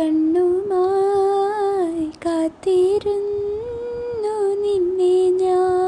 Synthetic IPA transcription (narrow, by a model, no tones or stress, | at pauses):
ɐɳːumaː | kaːt̪ːiɾun | nuninːeɲaː